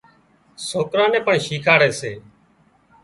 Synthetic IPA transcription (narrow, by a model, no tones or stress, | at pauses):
soːkɾãːnɛ̃ːpəɳʃiːkʰaːɽɛːseː